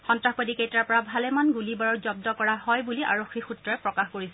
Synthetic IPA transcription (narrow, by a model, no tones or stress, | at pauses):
xɔntɹaxbadikejtɹaɹpɔɹabʱalɛmanɡulibaɹɔɹzɔb̚dɔkɔɹaɦɔjbuliʔa̰ɹoxʰːixutɹɔɛpɹɔkaxkoɹisɛ